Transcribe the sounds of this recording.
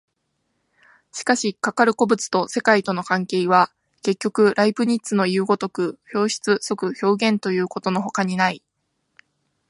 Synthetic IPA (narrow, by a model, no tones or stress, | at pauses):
ɕi̥kaɕikakaɾɯ̟ko̞bɯ̟t͡sɨ̥t̪o̞se̞kait̪o̞no̞kãŋke̞ːiβa | ke̞kʲːo̞kɯ̟ɾʔaipɯ̟ɲ̟itt͡sɨno̞jɯːɡo̞t̪o̞kɯ̟ço̞ːɕi̥t͡sɨso̞kɯ̟ço̞ːɡẽ̞nt̪o̞jɯ̟ːko̞t̪o̞no̞ɦo̞kaɲ̟inai